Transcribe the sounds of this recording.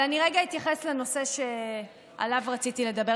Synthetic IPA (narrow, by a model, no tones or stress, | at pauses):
aniʁeɡait̪jaχesleno̞se̞ʃe | a̰lavʁat͡sit̪ile̞d̪abe